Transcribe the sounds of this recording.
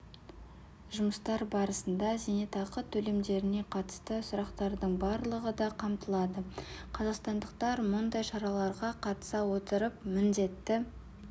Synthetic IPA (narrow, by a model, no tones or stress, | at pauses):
ʒʊməst̪ɑɾbɑɾəsənd̪ɑzenet̪ɑqət̪ʰːɵle̞md̪e̞ɾɪne̞qʰɑt̪ə̥st̪əsʊɾɑqt̪ɑɾd̪əɴbɑɾlˠəʁəd̪ɑqʰɑmt̪əlˠɑd̪əqʰɑzɑqst̪ɑnd̪əq̚t̪ɑɾmʊnd̪ɑjʃɑɾɑlˠɑɾʁɑqʰɑt̪ə̥sɑwot̪əɾəpmɪnd̪e̞t̪ːɪ